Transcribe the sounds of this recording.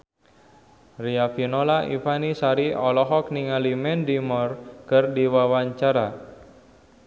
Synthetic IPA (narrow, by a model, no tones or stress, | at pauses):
riafinolaʔḭfanisaɾiɔlɔɦɔk̚niŋalimɛndimɔrkɨrdiwawaɲt͡ʃaɾa